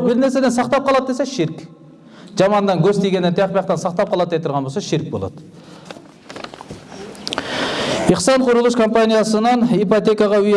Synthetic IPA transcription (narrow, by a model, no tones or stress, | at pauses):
bɪɾneɾse̞d̪ensɑqt̪ɑp̚qʰɑlˠɑd̪̚d̪eseʃɪɾk | ʒɑmɑnd̪ɑnɡʲɵst̪ejɡʲenent̪ʰjɑqpɑjɑqt̪ɑnsɑq̚t̪ɑp̚qɑlˠɑt̪ːejt̪ʰːʊɾʁɑnbo̞sɑʃɪɾk̚bolˠɑ̰d̪̥ə | iqsɑɴqʰʊɾəlˠuʃkʰompanijasənɑnipot̪e̞kɑʁɑʏj